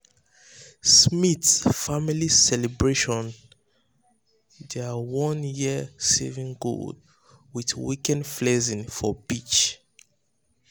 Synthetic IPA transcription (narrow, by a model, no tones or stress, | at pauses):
smitsfamilisɛlɛbɹeʃɔ̃n | dɛawɔ̃njisɛ̰vĩŋɡo̰d | wiðwikɛ̃nflɛzĩnfɔbit͡ʃ